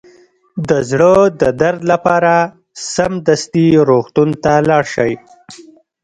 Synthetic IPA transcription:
d̪əzɽəd̪əd̪aɾd̪lapɑɾa | samd̪ast̪iɾoxt̪unt̪alɑɽʃəj

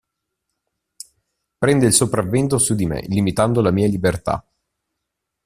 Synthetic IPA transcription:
pɾɛnd̪oilsopɾavːɛnt̪osud̪imḛlimit̪and̪olamiːalibert̪a̰

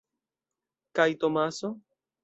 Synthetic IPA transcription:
kajt̪omaso

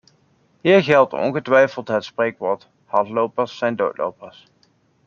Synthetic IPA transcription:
ɦiːɹɣɛlˠtɔ̰nɣətʋɛjfəlˠtɦətsprejkʋɔːɹt | hɑntlowpəɹsːɛjndo̰wtlo̰wpəɹs

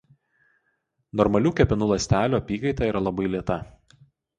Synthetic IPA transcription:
nɔɾmɐlʲuːkʲɛpʲɪnuːlˠɐsʲt̪ʲæːlʲuːɐpʲiːkɐɪt̪ɑiːɾɐlˠɐbɐɪlʲiɛt̪ɐ

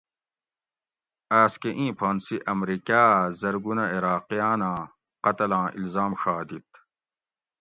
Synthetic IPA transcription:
aːskeʔĩːpʰaːnsiʔɐmɾiːkaːzɐɾɡunɐiɾaːqijaːnãː | qɐt̪ɐlãːʔḭlzaːmʂaːd̪it̪̚

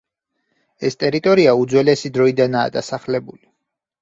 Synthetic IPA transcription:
ɛst̪ʼɛɾit̪ʼɔɾiaud̪zwɛlɛsid̪ɾɔid̪anaːd̪asaχlɛbuli

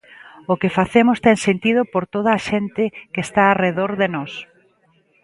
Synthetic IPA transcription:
ʊkɪfaθemʊst̪ɛŋsent̪ið̞ʊpoɾt̪oð̞ɐːʃent̪ɪkeːst̪aːreðoɾðenɔs

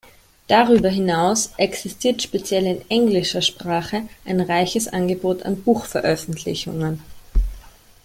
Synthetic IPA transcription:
d̥aʁyːbɐɦɪnaʊsʔɛksɪstʰiːɐtʃpet͡sjɛlɪnʔɛŋɡlɪʃɐʃpʁ̥aːχəʔaɪnʁaɪçəsʔanɡəboːtʰa̰nbuːxfɛɐʔœfn̩tʰlɪ̰çʊ̰ŋən

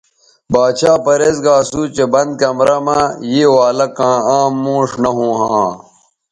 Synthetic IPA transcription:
baːt͡ɕʰaːpɐɾeːzɡaːsuːt͡ɕebɐnd̪̚keɐmɾɐmaːjeːwaːlɐkãːaːmːõːʂnɐɦũːɦãː

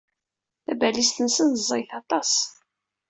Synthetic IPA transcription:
θæbælist̪ənsənzˤːɑjθɑt̪ˤɑs

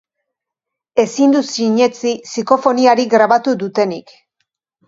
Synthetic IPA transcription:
e̞sind̪usiɲe̞t͡sisiko̞fo̞niaɾiɣɾaβat̪uðut̪e̞nik

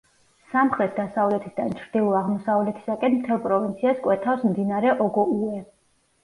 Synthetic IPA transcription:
samχɾɛt̪̚ʰd̪asavlɛt̪ʰisd̪ant͡ʃʰɾd̪ilˠuaʁmɔsavlɛt̪ʰi̥sakʼɛnmt̪ʰɛlˠpʼɾɔvint̪sʰiaskʼwɛt̪ʰafsmd̪inaɾɛʔɔɡɔuɛ

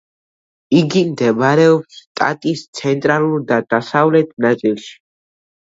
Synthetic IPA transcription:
iɡimd̪ɛbɾɛɔpst̪ʼa̰t̪ʼist̪sʰɛnt̪ʼɾaluɾd̪ad̪̥asavlɛt̪ʰnat̪sʼilˠʃi̥

